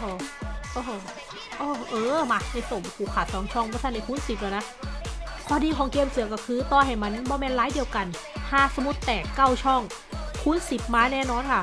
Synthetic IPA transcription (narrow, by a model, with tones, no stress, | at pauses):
hoː˧˩ʔoː˧˩ɦoː˧˩ | ʔoː˧ʔɤː˧˩ma˧˩na˧jso˨˩˦mkʰuː˨˩kʰːaː˨˩t̪̚sɔː˨˩˦ŋt͡ɕʰɔ˥˩ŋbʰɔː˧˥sa˧˩nda˧jkʰuː˧˥˨nsi˨˩p̚laː˧˩na˦˥ʔ | kʰɔː˧˩diː˧kʰɔː˨˩˦ŋkeː˧msɯ˨˩˦ɐkɔː˧˩kʰɯː˧t̪ɔː˧nɦa˨˩jmaː˧nɯ˧˥˩ŋbɔː˧mɛː˧˥nlaː˦˥jdi˧əwka˧n | t̪ʰaː˧˥˩sa˧mu˦˥t̪ːɛː˨˩kːa˥˩wt͡ɕʰɔ˥˩ŋ | kʰuː˦˥˨nsi˨˩p̚maː˧˥nɛː˥˩nɔː˧˥nkʰa˥˩